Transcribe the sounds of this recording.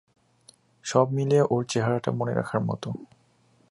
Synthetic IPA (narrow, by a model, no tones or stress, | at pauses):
ʃɔbmileʔoɾt͡ɕeɦaɾaʈa̰monḛɾʔa̰kʰaɾmɔ̰t̪o